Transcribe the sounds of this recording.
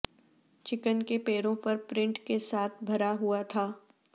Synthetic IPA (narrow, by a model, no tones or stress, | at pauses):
t͡ʃɪkənkepeːɾõpɐɾpɾɪ̃ɳʈkesaːt̪ʰbʱɐɾaɦuat̪ʰaː